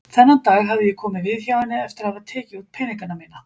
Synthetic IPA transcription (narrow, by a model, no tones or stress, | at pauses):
θɛnːat̪aːɣɦavðɪjɛkʰɔːmɪðvɪðçjaːwanːɪɛft̪ɪɾ̥havaðt̪ʰɛːcɪut̪̚pʰɛjniŋkanamiːna